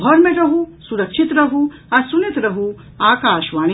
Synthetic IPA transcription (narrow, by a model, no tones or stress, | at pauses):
ɔɾmẽɾɐɦusuɾɐkʃʰit̪ɾɐɦu | ɐɾsunit̪ɾɐɦu | aːkaːʃʋaːɽ̃i